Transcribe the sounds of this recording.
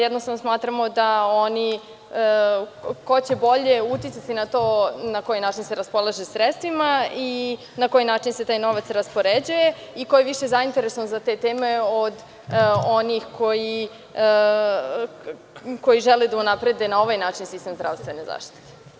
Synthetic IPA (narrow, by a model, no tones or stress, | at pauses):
jɛd̪nost̪aʋnosmaːt̪ɾamo̞d̪aoni | ko̞t͡ɕebo̞ʎeut̪jit̪sat̪inat̪oːnakojinaːt͡ʃinseɾaspo̞lˠaʒesɾet̪st̪ʋimai | nako̞jinaːt͡ʃinset̪aːjno̞ʋat̪sɾaspoɾed͡ʑuje̞ikojeʋiʃezaint̪eɾesonzat̪e̞t̪eːmeod̪ | o̞nixkʰo̞ji | ko̞jiʒeled̪aunapɾe̞d̪e̞nao̞ʋajnaːt͡ʃinsist̪emzd̪ɾa̰ʋst̪ʋe̞ne̞za̰ːʃt̪t̪i̥t̪e̥